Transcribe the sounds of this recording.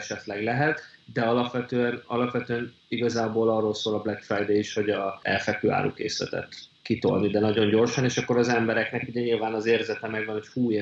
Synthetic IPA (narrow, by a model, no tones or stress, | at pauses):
ʃɛt̪lɛɡlɛɦɛt̪d̪ɛɒlɒpʋɛt̪øːɛnɒlɒpʋɛt̪øːɛn | iɡɒzaːboːlɒrːoːlsoːlɒblɛkfrɛjd̪eiʃho̞ɟɒɛ̰lfɛkøːa̰ːɾṵkḛːslɛ̰t̪ɛ̰t̪kit̪o̞̰lnid̪ɛnɒɟo̞ɲɟo̞rʃɒneːʃɒkːo̞ɾɒzɛmbɛɾɛknɛkuɟɛɲilvaːnɒzeːrzɛt̪ɛmɛɡʋɒneʃhuːe